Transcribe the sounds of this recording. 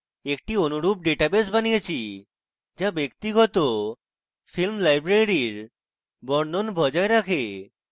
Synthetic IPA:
ek̚ʈionuɾub̚ɖeʈabes̬banijet͡ɕʰi | d͡ʑabekt̪iɡɔt̪o | filmlajbɾeɾiɾ | bɔɾnonbʱɔd͡ʑaeɾakʰe

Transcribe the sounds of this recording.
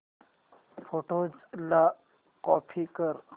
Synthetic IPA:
foʈod͡zla | kɔpʰikəɾ

